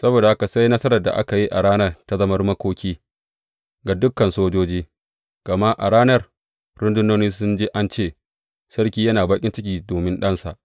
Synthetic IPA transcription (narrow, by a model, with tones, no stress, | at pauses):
sɐ˦boː˨da˨ha˦ka˨sa˦jnɐ˦sɐ˦ɾɐ˨rda̰˨ʔa˦ka˨ji˦ʔa̰˨ɽaː˦nɐ˦rta˨zɐ˦mɐ˦rmɐ˦kʷoː˦kʲiː˦ | ɡa˨dʊ˦kːɐ˨nsoː˦d͡ʒoː˦d͡ʒiː˦ | ɡ̥ɐ˨ma˦ʔa̰˨ɽaː˦nɐ˦r | ɾʊ˦ndʊ˦noː˦niː˦sʊ˦nd͡ʒe˦ʔa˦nt͡ʃeː˦˨ | sɐ˦rkʲiː˦jɐ˦naː˨ba˦kʲʼɪ˦nt͡ʃɪ˦kʲiː˨doː˨mɪ˦nɗɐ˦nsa˨ʔ